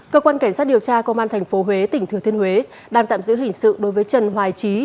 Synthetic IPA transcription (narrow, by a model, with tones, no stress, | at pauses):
kəː˧kwaː˧nka˧˩ŋ̟saː˦˥t̚i˨˩əwt͡ɕaː˧kə˧ŋ͡mʔaː˧nt̪ʰjŋ̟fo˨˦ɦwe˨˦t̪ï˧˩ŋ̟t̪ʰət̪ʰəhwe˨˦ | ɗaː˧˩ŋt̪a̰ː˧˨mzɨ̰˧˥ɦhï˨˩ŋ̟sɨ̰˧˨ɗo˨˦jvəː˨˦jt͡ɕə˨˩nɦwaː˨˩jt͡ɕi˨˦